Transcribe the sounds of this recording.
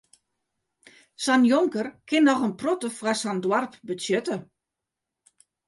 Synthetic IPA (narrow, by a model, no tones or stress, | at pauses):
sanjoŋkərkʰɪnːɔxənprotəfwasandwarpbəsjøtə